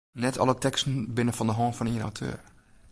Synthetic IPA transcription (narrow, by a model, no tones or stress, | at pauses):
nɛtʰɔ̰lˠətɛkstn̩bɪnəfɔndəɦɔːnfɔniəna̰wtʰø̰ːɹ